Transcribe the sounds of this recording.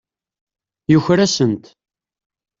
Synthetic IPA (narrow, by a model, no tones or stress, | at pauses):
juçɾæsənt̪